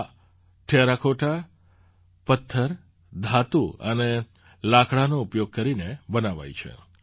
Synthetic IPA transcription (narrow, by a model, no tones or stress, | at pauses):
ʈʰeɾakʰoʈʰa | pət̪ʰːəɾ | d̪ʱat̪uəne | lakɽanoupjoɡ̚kəɾinebənaʋa̰jt͡ʃʰḛ